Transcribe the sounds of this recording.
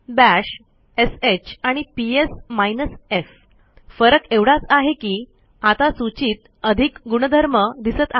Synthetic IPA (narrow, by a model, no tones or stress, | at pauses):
bæɕ | eset͡ɕaɽ̃ipiesmajnəsef | fəɾəkeʋɽat͡saɦekiː | at̪asut͡ɕiːt̪ | əd̪ʱikɡuɽ̃əd̪ʱəɾməd̪isət̪a